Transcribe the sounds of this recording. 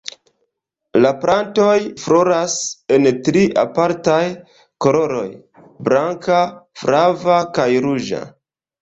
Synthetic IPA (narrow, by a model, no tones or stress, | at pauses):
lapɾanto̞jfɾo̞ɾase̞ntɾiʔa̰paɾtaj | ko̞lo̞ɾo̞j | bɾaŋkafɾavakajɾud͡ʒa̰